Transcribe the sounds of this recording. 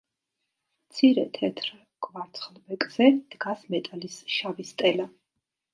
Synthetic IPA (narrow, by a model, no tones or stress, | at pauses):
mt̪sʰiɾɛt̪ʰɛt̪ʰɾ | kʼvaɾt̪sʰʼχlˠbɛkʼz̥ɛd̪̥ɡasmɛt̪ʼalisʃavist̪ʼɛla